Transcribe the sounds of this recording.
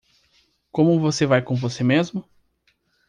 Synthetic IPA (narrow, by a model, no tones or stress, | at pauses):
kõmʊvosevajkõvosemezmʊ